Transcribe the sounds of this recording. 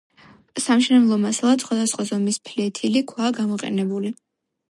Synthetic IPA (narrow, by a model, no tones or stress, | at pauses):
samʃɛnɛblˠɔmasalˠat̪sχwad̪asχwazɔmispʰlɛt̪ʰilikʰwaːɡamɔqʼɛ̰nɛbuli